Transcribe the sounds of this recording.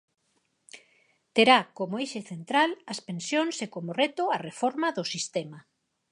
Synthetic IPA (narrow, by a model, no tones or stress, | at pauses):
t̪eɾakomoeʃeθent̪ɾalɐspensjoŋsekomorɛt̪oarefɔɾmaðʊsist̪ema